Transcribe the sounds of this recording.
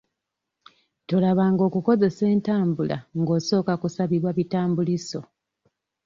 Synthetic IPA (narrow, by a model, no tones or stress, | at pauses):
to̞laβaŋɡo̞ːkuko̞ze̞se̞ːntaːmbula̰ŋɡo̞ːso̞ːkakusaβiβwaβitaːmbuliso̞